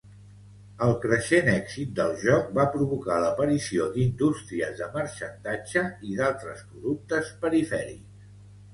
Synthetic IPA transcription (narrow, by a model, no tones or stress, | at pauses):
əlˠkɾəʃenɛɡzit̪̚d̪əlˠʒɔk̚bapɾuβukaləpəɾisiod̪ind̪ust̪ɾiəzðəməɾʃənt̪ad͡ʒəiðalˠt̪ɾəspɾuðuk̚t̪əspəɾifɛɾḭks